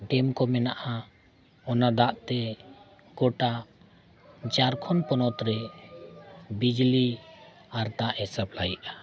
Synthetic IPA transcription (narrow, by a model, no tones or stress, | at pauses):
ɖɛmkɔmɛnaʔa | ɔnad̪aʔt̪ɛ | ɡɔʈa | d͡ʒaɾkʰɔnpɔnɔt̪ɾɛ | bid͡ʒli | aɾt̪aʔɛsaplajʔa